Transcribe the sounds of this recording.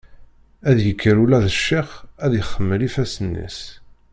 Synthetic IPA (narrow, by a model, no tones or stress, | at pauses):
æðjəkʰːəɾulæðəʃːiχæðjəχːəmːəlifæsənːḭs